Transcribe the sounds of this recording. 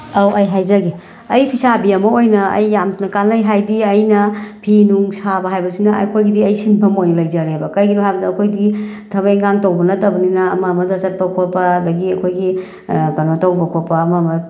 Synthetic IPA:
awʔɐjɦajzaɡi | ɐjpʰisabiɐmɐojnɐɐ̰jːamnkanɐjɦajdiɐjnɐpʰinuŋsabɐɦajbɐsinɐ̰kʰojɡidiɐjsinpʰɐmojnlɐjzɐɾebɐkɐjɡinuhajbɐdɐɐkʰojdiɡi | tʰɐβajŋaŋtɐwbɐnɐtɐbɐninɐɐmɐmɐzat͡ʃɐt̚pɐkʰopɐdɐɡiɐkʰojɡi | pɐnɐtɐwbɐkʰopɐːmɐmɐ

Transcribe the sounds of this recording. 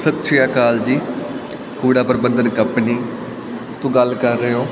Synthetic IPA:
sət̪ʃʰɪjaːkaːld͡ʒiː | kuːɽaːpəɾbənd̪ənkəpniː | t̪ũːɡəlkəɾːeːoː

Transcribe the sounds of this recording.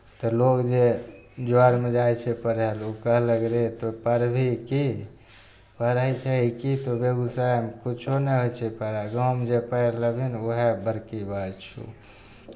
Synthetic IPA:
t̪ɔlokd͡ʒed͡ʒoaɾmed͡ʒajt͡ʃʰɛpəɾɦelukəɦləɡɾet̪opəɾbʱiki | pəɾəjt͡ʃʰɛɦikit̪obeɡusamkut͡ʃʰonɛɦojt͡ʃʰɛpəɾaɡawmd͡ʒepəjɾləbinoɦebəɾkibət͡ʃʰṵ

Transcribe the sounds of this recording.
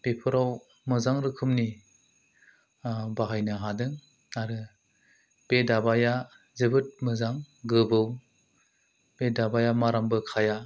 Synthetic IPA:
b̥epʰɯɾaw | mɯzaŋɾɯkʰɯmni | baɦajnɯɦadɯŋ | aɾɯ | b̥edabaja | zɯbɯt̚mɯzaŋ | ɡɯbɯw | b̥edabajamaɾambɯkʰaja

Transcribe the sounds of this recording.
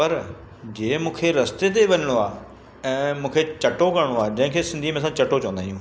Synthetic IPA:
pɐɾ | d͡ʑeːmũːkʰeɾɐst̪et̪̬eʋɐɲəɽ̃oaː | ɛ̃ːmũːkʰet͡ɕɐʈokɐɽɽ̃oaːd͡ʑɐ̃ɦɪ̃kʰesɪ̃nd̪ʱimẽsãt͡ɕɐʈot͡ɕɐ̃ə̃nd̪aːɦijũː

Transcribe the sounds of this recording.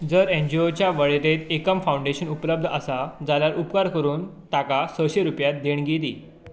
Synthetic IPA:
d͡zəɾeɲd͡ʑiot͡ɕjaʋəɭeɾet̪ekəmfaw̃ɳɖeɕənupləb̚d̪ʱəsad͡zaljaɾʔupkaɾkəɾuːnt̪akasəɕeɾupjat̪̚d̪eɳɡed̪iː

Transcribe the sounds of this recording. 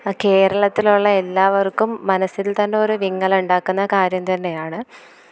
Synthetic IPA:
ke̞ːɾɐɭɐt̪ːiluɭːɐe̞lːaːʋɐrkːumːɐnɐsilt̪ɐnːe̞o̞ɾuʋiŋːɐɭuɳɖaːkːunːɐkaːɾjɐmt̪ɐnːe̞jaːɳɨ

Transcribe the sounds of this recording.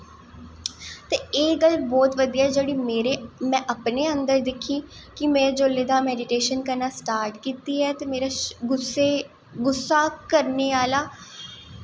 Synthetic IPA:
t̪eːeːɡəlbɔːt̪ʋəd̪ijaːɦɛːd͡ʒeɽiːmeːɾemɛ̃ːʔəpneːənd̪əɾd̪ɪkʰːiːkɪmeːed͡ʒoːlːeːd̪aːmɛːɖɪʈeːʃənkəɾnaːsʈaːɾʈkiːt̪iːɦɛːt̪eːmeːɾaːɡʊse | ɡʊsːaːkəɾneːaːlaː

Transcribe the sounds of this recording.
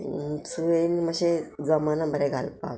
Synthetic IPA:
t͡suenimaɕed͡zamanabəɾɛɡʱa̰lpa̰

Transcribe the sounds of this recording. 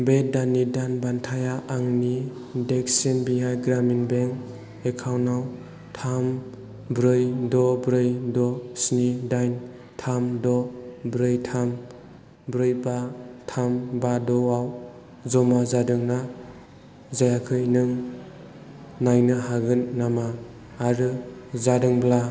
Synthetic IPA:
bedanidanbantʰajaʔːŋnideksinbiɦajɡɾaminbeŋ | ekʰawnaw | tʰam | bɾɯjdɔbɾɯjdɔsnidajn | tʰamdɔbɾɯjtʰam | bɾɯjbatʰambadɔaw | zɔmazadɯŋna | zajakʰɯjnɯŋ | najnɯɦaɡɯnːamaː | ɾɯzadɯŋbla

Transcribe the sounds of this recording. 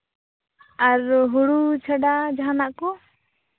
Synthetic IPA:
aɾɦuɽut͡ʃʰəɖad͡ʒaɦanaʔkɔ

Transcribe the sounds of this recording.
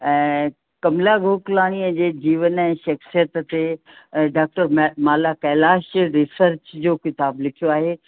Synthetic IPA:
ɛ̃ː | kɐmlaɡʱoːklaːɽ̃iəd͡ʑeːd͡ʑiːʋənɛ̃ːʃɐxsijət̪t̪e | ɖaːk̚ʈəɾmmaːlakɛːlaːʃɾɪsəɾt͡ɕd͡ʑoːkɪt̪aːblɪkʰijoaːɦeː

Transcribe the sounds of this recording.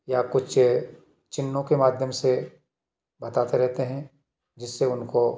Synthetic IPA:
jakʊt͡ʃʰ | t͡ʃɪnːõkemaːd̪ʱjəmse | bɐt̪aːt̪eɾɛɦt̪eɦɛ̃ | d͡ʒɪsːeʊnko

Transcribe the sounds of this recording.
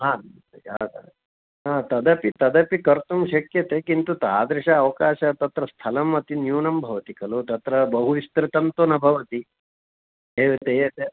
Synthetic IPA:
ɦaː | a̰ː | ɦaːt̪ɐd̪ɐpit̪ɐd̪ɐpikɐɾt̪umʃɐkjɐt̪eːkint̪ut̪aːd̪ɾɪʂɐːʋɐkaːʃɐt̪ɐt̪ɾɐst̪ʰɐlɐmːɐt̪injuːnɐmbʱɐʋɐt̪ikɐlot̪ɐt̪ɾɐbɐɦuʋist̪ɾɪt̪ɐnt̪onɐbʱɐʋɐt̪i | eːʋet̪et̪e

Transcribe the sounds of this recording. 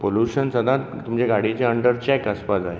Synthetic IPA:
poluɕənsəd̪ʱãt̪t̪umt͡ɕeɡaɽit͡ɕeəɳɖəɾt͡ɕɛkəspad͡zaɦe

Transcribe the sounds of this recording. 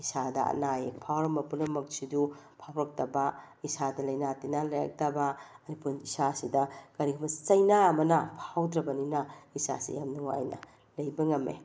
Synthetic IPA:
isadɐɐ̰najepʰawɾɐmɐpunɐmɐk̚sidupʰawɾɐk̚tɐbɐ | isadɐlɐjnatinalɐjɐ̰k̚tɐbɐɐɾipunisasidɐkɐɾiɡumɐt͡ʃɐjnaɐmɐnɐpʰawdɾɐbɐninɐisa̰sḭjamnuwa̰jnɐ̰ | lɐjbɐŋɐmḛ

